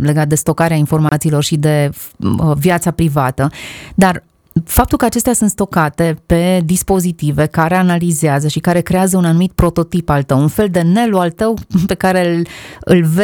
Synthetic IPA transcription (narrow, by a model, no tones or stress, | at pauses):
le̞ɡat̪̚d̪e̞st̪o̞kaɾeainfo̞rmat̪siːlo̞rʃid̪e̞əvjat̪sapɾivat̪əd̪ar | fap̚t̪ulkəat͡ʃe̞st̪easunt̪st̪o̞kat̪e̞pe̞d̪ispo̞zit̪ive̞kaɾe̞analizeazəʃikaɾe̞kɾe̞azəunanumit̪̚pɾo̞t̪o̞t̪ipalt̪əwunfe̞ld̪e̞ne̞loalt̪əwpe̞kaɾe̞ɨ̰lve